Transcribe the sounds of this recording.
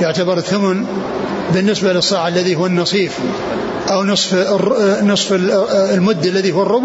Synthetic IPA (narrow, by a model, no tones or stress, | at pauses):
jʊʕt̪abɑɾˤɨθːʊmʊn | bɪnːɪsbalɨsˤːɑːʕalːaðiɦʊːanːɑsˤiːf | ʔawnɨsˤf | nɨsˤfɪlmʊd̪ːalːaðihʊwːrˤːʊb